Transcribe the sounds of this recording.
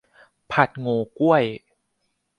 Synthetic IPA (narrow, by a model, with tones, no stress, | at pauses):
pʰa˨˩t̪̚ŋoː˧ku˥˩əj